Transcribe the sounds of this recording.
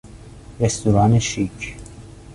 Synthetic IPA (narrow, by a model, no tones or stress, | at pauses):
rɛst̪uɾaːneʃik